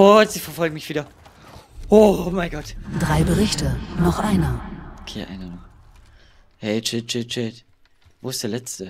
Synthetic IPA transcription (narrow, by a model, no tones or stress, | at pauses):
otziːfɛɐfɔlɡŋ̩mɪçv̥iːdɐ | omaɪɡɔtd̥ʁaɪbəʁɪçtənɔχʔaɪnəokʰḛːʔa̰ɪnənu | hɛɪt͡ʃɪt͡ʃɪt͡ʃɪt | voːɪstd̥eːɐlɛt͡stə